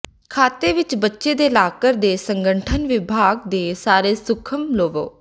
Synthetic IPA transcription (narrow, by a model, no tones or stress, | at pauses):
kʰaːt̪eːʋɪt͡ʃbətːʃeːd̪eːlaːkəɾd̪eːsəŋɡəɳʈʰənʋɪbʱaːɡd̪eːsaːɾeːsʊkʰəmloːʋo̰ː